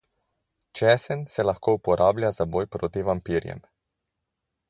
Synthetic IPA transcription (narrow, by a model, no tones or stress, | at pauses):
t͡ʃɛsɛnsɛlaxkoːupɔɾʔaːblʲjazabojpɾoːt̪iʋampiːɾjɛ̰m